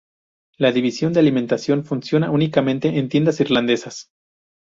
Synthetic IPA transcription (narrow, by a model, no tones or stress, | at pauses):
laðiβisjo̞nd̪ealimẽnt̪asjo̞nfunsjo̞naunikamẽ̞nt̪e̞ʔent̪je̞nd̪asiɾland̪e̞sas